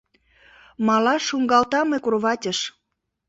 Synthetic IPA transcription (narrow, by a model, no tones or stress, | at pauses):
mɑlɑʃuŋɡɑlt̪ɑmekurβɑtʲəʃ